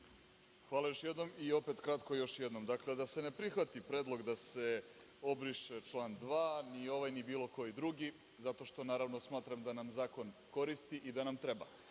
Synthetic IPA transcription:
xʋaːlajo̞ʃjed̪no̞mio̞pet̪kɾat̪ko̞jo̞ʃjed̪no̞md̪akled̪ase̞nepɾixʋat̪ipɾeːd̪lˠo̞ɡd̪ase | o̞bɾiʃet͡ʃlˠaːnd̪ʋaːnio̞ʋajnibiːlˠo̞ko̞jid̪ɾuɡi | zat̪o̞ʃt̪o̞naːɾaʋnosmaːt̪ɾamd̪anamzaːko̞nko̞ɾist̪iʔid̪anamt̪ɾeba̰

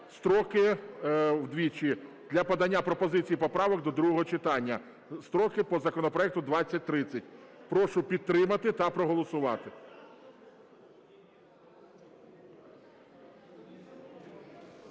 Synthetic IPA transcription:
st̪ɾɔkɪ | wd̪ʲʋʲit͡ʃʲi | d̪ʲlʲɐpɐd̪ɐnʲːapɾɔpɔzɪt͡sʲijipɔpɾɑʋɔɡ̚d̪ɔd̪ɾuɦɔɦɔt͡ʃɪt̪ɑnʲːɐ | st̪ɾɔkɪpɔzɐkɔnɔpɾɔɛk̚t̪ʊd̪ʋɑt͡sʲːɐt̚ʲt̪ɾɪt͡sʲɐtʲpɾɔʃʊpʲid̪̚t̪ːɾɪmɐt̪ɪt̪ɐpɾɔɦɔlˠɔsʊʋɑt̪ɪ

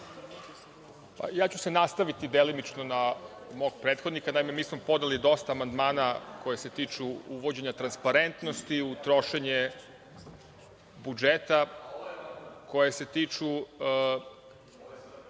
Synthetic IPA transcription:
pa̰jaːt͡ɕuse̞nast̪aʋit̪id̪elimit͡ʃnona | mo̞ɡ̚pɾet̪xod̪nikanaime̞miːsmopo̞d̪nelid̪o̞st̪aːmand̪maːnako̞jese̞t̪iːt͡ʃuuʋo̞d͡ʑe̞ɲat̪ɾanspaɾe̞nt̪no̞st̪iut̪ɾo̞ʃeɲe | bud͡ʒet̪a | ko̞jese̞t̪iːt͡ʃu

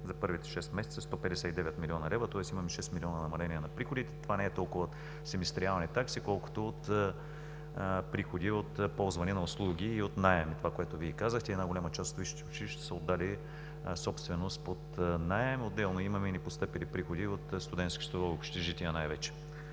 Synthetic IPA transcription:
zɐpɤɾvit̪ɛ̥ʃɛst̪mɛsɛt̪səst̪ɔpɛd̪ɛsʲat̪id̪ɛvɛt̪milʲiɔnɐɾɛvɾət̪ɔɛsimɐmɛʃɛst̪milʲiɔnɐnɐmɐlɛniɛnɐpɾixod̪it̪ɛ̥t̪ovanɛɛt̪ɔlˠkʊvəot̪ | sɛmɛst̪ɾialˠnit̪aksikɔlˠko̥t̪oot̪ | pɾixod̪iot̪pɔlˠzvɐnɛnɐoslˠuɡʲiːot̪naɛmit̪ovakoɛt̪oviɛkazəxt̪ɛd̪naɡolʲamɐt͡ʃast̪o̥t̪viʃi̥t̪ɛot͡ʃiʃt̪ɛ̥səod̪ːali | sɔpst̪vɛnost̪pot̪naɛmod̪ːɛlˠnoimɐmɛnipost̪əpɛlipɾixod̪iot̪st̪ʊd̪ɛnt̪skʲi̥st̪ɾovɛokʃt̪ɛʒit̪ʲiɐnajvɛt͡ʃɛ̥

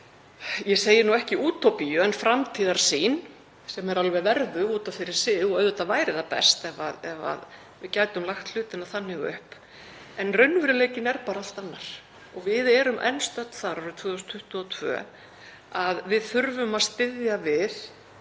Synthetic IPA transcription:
jɛseːjɪnuɛhcɪuːt̪ʰopijʏɛnfɾamt̪ʰiːðaɾ̥siːn | sɛmɛɾalvɛvɛɾðʏuːt̪afɪɾɪɾ̥sɪɣɔœːðʏt̪avaːjɾɪðapɛ̰st̪ɛvaðɛva̰ð | vɪðcaːjt̪ʏmlaxt̪l̥ʏːt̪ɪnaθanːɪɣʏ̰hp | ɛnrœɥnːvʏɾʏleːjcɪnɛɾpaːɾaal̥t̪anːaɾ̥ | ɔɣvɪðɛɾʏmʔɛ̰nst̪œt̪θaɾaɾʏt̪ʰvœːðʏst̪ʰːʏht̪ʏɔt̪ʰvœ̰ | aðvɪðθʏɾvʏmaðst̪ɪðjavɪð̥

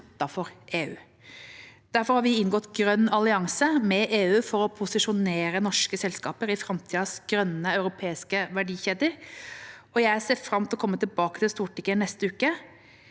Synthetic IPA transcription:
t̪ːɑfɔɾʔeːʉ̰ː | d̪̥æɾfɔɾhɑːɾʋɪɪnɡɔt̪ːɡɾœnːɑlɪɑŋsəmɛʔeːʉːfɔɾɔpʰʊsɪʂʊneːɾənɔʂkəsɛlskɑːpəɾɪfɾɑmt̪ʰiːəsɡ̥ɾœnːəɑʉɾʊpʰeːɪskəʋæɖiːçeːd̪əɾ | ɔjæɪæseːfɾɑmt̪ɪlɔkʰɔmːət̪ɪlbɑːkət̪ɪlst̪uːʈɪkːənɛst̪əʉːkə

